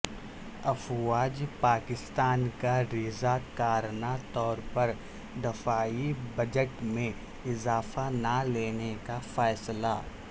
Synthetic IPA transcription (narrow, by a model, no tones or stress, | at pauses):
ɐfʋaːd͡ʒpaːkɪst̪aːnkaɾizakaːɾnat̪ɔːɾpɐɾ | d̪ɪfaːibɐd͡ʒəʈmẽ | ɪzaːfanaleːnekafɛːslaː